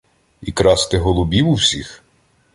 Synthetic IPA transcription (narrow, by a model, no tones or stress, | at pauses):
ikɾɑst̪ɪɦɔlˠʊbʲiwuwsʲix